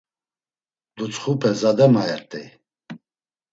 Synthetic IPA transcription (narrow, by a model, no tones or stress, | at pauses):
d̪̥ut͡sʼχupʰɛzad̪ɛmaɛɾt̪ʼi